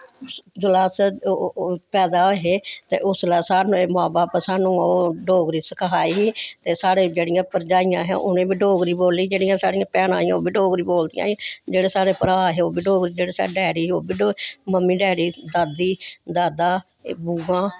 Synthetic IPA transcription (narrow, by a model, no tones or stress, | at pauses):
d͡ʒəlaːs | pɛːd̪aːoɦeːt̪ḛːʔʊslɛːsaːnũːeːmʊaːbaːpsaːnũːoːɖoːɡɾiːsəkɦaːiːɦiːt̪eːsaːɽeːd͡ʒeːɽɪjãːpəɾd͡ʒaːijãːɦɛ̰̃ʔʊnẽːbiːɖoːɡɾiːboːliːd͡ʒeːɽɪijãːsaːɽijãːpɛːnã̰ːĩãːoːbiːɖoːɡɾiːboːld̪ijã̰ːd͡ʒeːɽeːsaːɽeːpəɾaːɦeːoːbiːɖoːɡɾiːd͡ʒeːɽeːsa̰ɖɛːɽiːoːbiːɖməmːiːɖɛːɽiːd̪aːd̪iːd̪aːd̪aː | buːãː